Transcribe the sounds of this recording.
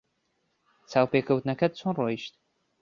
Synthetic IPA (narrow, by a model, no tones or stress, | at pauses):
t͡sʰaːwpekʰɐwt̪nɐkɐd̪̚t͡sʰonrojiʃt̪̚